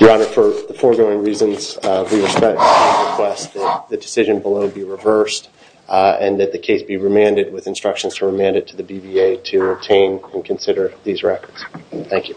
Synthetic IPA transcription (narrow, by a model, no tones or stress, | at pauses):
əɑnə˞fə˞ðəfɔɹɡoʊɪ̃ŋɹizɨ̃nz̥wiɨspɛk̚tɨɹɨkʰw̥ɛsðɨt̪̚ðɨdɨsɪʒɨ̃nbəloʊbiɹɨvɜ˞st | ɨ̃nðɨt̪̚ðɨkʰeɪsb̥iɹɨmæ̃ndɨd̚wɨðɨ̃nstɹ̥ʌkʃn̩z̥tʰəɹɨmæ̃ndɨtʰɨðɨbivieɪɾɨəb̚tʰẽɪ̃nɨ̃nkʰɨ̃n̩sɪɾə˞ðizɹɛkə˞d̥z̥θæ̃ŋkjʉ